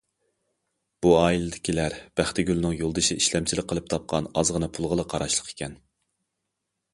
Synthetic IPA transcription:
b̥uɑːilɪd̪ɪkʲʰilæɾb̥æχt̪ɪɡʲylnɪŋjolˠd̪ɨʃiiʃlɛmt͡ʃʰilɪk̚ʲqəlˠɨp̚t̪ʰɑp̚qʰɑnɑzʁənɨpʰulˠʁəlˠəqʰɑɾɑʃlˠəqʰe̥kʲʰɛn

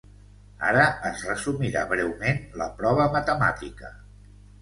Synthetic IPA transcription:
a̰ɾəəzrəsumiɾaβɾɛwmenləpɾɔβ̞əmət̪əma̰t̪ikə

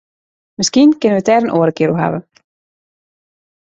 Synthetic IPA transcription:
məskinkɪnənʋətɛːɾənʔoːɾəkɪːɾuɦa̰ʋə̰

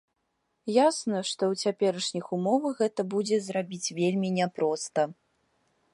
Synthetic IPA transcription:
jasnɐʂt̪ɔwt͡sʲapʲɛɾɐʂnʲixumɔvɐxɣɛt̪ɐbud͡zʲɛzrabʲit͡sʲvʲelʲmʲinʲɛpɾɔst̪ɐ

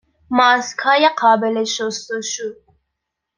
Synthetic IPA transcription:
mɑːskʰɑːjeqʰɑːbeleʃost̪uʃud̪̚

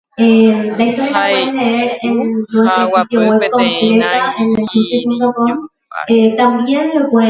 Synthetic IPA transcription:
elaist̪o̞ɾjakepweðenleeɾenennwest̪ɾesit̪joɣwe̞βko̞mple̞t̪aʔenelsit̪jopunt̪o̞ko̞m | et̪ambje̞nrekwe

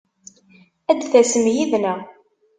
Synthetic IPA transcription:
æd̪θæsəmjiðnæ

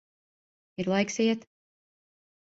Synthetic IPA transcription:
iɾlˠajksiɛt̪

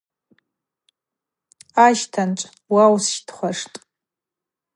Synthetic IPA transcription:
aʃtʰanʈ͡ʂʷʼ | wawsʃdχʷaʂtʼ

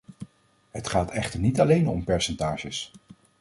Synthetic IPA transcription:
ɦətχaːtʰɛχtəɹnitɑlejnɔmpɛɹsɛntaːʒəs

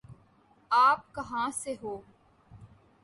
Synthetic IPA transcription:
aːp̚kɐɦãːseɦoː

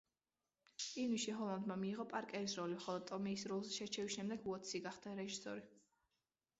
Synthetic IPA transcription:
inwiʃiɦɔlˠand̪mamiːʁɔpʼaɾkʼɛɾisɾɔlimχɔlˠɔd̪̚t̪ʼɔmiːsɾɔlˠzɛʃɛt͡ʃʰɛvisʃɛmd̪ɛɡuɔt̪sʰiɡaχd̪̥aɾɛʒisɔ̰ɾi

